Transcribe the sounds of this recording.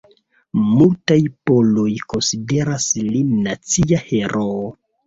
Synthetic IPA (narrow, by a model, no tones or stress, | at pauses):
multajpo̞lo̞jko̞nside̞ɾaslinat͡siahe̞ɾʔo